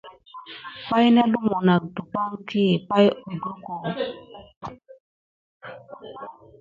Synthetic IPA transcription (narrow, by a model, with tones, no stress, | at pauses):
k͡pa˦jnɛ˦lu˦mo˨na˨k̚du˨k͡pa˦ŋkʰi˦˨pa˦jo˨ɡu˦ko˨